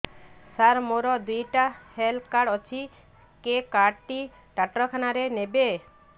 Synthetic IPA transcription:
saɾmoɾɔd̪ujʈahelkaɽɔt͡ʃʰi | kekaʈi | ʈaʈɾɔkʰanaɾenebe

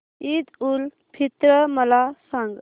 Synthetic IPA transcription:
id̪ul | pʰit̪ɾəməlasəŋɡ

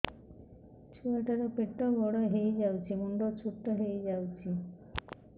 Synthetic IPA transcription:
t͡ʃʰuaʈaɾɔpeʈːɔɡɔɽɔɦejd͡ʒawt͡ʃʰimuɳɖɔt͡ʃʰuʈːɔɦejd͡ʒawt͡ʃʰi

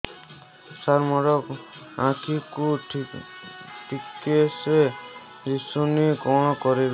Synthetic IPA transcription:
saɾmɔɾɔkãkʰikuʈ | ʈikese | d͡ʒisunikɔɽ̃ɔkɔɾib

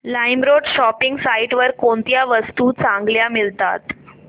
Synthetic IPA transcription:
laimɾoɖɕɔpiŋɡsaiʈʋəɾkoɳt̪jaʋəst̪uːt͡sãŋɡljamilt̪a̰t̪

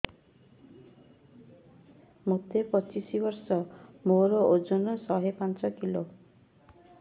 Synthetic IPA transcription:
mot̪epɔt͡ʃisibɔɾsɔmoɾɔʔod͡ʒɔnɔsɔɦepant͡ʃɔkilo

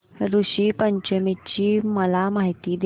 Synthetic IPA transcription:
ɾuɕiːpəɲt͡ɕəmit͡ɕiːməlamaɦit̪iːd̪

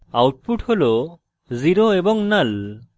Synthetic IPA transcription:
awʈ̚puʈholo | ziɾoebɔŋnal

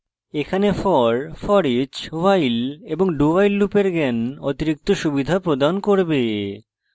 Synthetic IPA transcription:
ekʰanefɔɾfɔɾit͡ɕwajleboŋɖubajlːupeɾɡɛnot̪iɾik̚t̪oʃubid̪ʱapɾod̪ankoɾbe

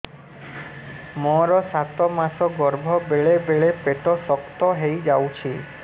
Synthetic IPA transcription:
mɔɾɔsat̪ɔmasɔɡɔɾbʱɔbeɭebeɭepeʈɔsɔkt̪ɔɦejd͡ʒawt͡ʃʰi

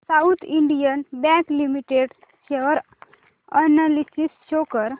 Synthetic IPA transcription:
saut̪ʰiɳɖijənbɛ̃klimiʈeɽ | ɕeʋəɾ | ənalisisɕokəɾ

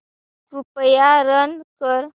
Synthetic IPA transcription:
upjaɾənkəɾ

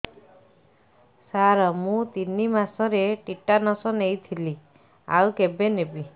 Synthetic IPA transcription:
saɾɔmũt̪inimasɔɾeʈiʈanɔsɔnejt̪ʰili | a̰wkebenebi

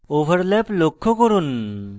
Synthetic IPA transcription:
oʋəɾlɛplokʰːɔkəɾuːn

